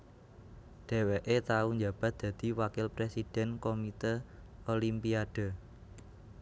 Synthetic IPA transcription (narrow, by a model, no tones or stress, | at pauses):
ɖ̪̥ɛ̤weʔet̪auɲd͡ʒab̥a̤t̪̚d̪̥ä̤d̪̥i̤wakɪlpɾesid̥ɛ̤nkomit̪ə | olimpiad̥ə̤